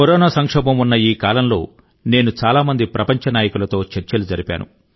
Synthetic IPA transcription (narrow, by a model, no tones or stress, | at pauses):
kɔɾɔːnaːsɐŋkʂɛːbɐmunːɐjiːkaːlɐmlo̞̰ː | ne̞ːnut͡ʃaːlaːmɐnd̪ipɾʔɐpɐɲt͡ʃɐnaːjɐkulɐt̪o̞ːt͡ʃeɾt͡ʃɐlud͡ʒɐɾipʲa̰ːnṵ